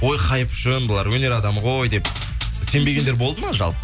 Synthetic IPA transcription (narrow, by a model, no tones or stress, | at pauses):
o̞jqʰɑjəpʏʒɪnbəlˠɑɾwɵne̞ɾɑd̪ɑmʁo̞jd̪e̞p̚ | se̞mbe̞ɡʲe̞nd̪eɾbo̞lˠd̪əmɑʒɑ̰lˠpə